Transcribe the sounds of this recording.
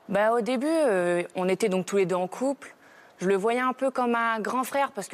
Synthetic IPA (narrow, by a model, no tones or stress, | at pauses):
baod̪ebyøɔ̃net̪ɛd̪ɔ̃k̚t̪uled̪øɑ̃kʰupl | ʒ̥ələvwajɛɛ̃pøkɔmːɛ̃ɡʁɑ̃fχɛʁpaʁsə̥k